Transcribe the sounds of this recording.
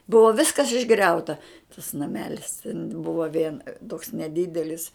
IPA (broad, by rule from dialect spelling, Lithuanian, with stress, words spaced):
ˈbʊʋoː ˈʋʲɪskɐs ɪʒˈɡrʲɛʊtɐ tɐs nɐˈmʲæːlʲɪs tʲɛn ˈbʊʋoː ʋʲiɛn toːks nʲɛˈdʲɪdʲɛlʲɪs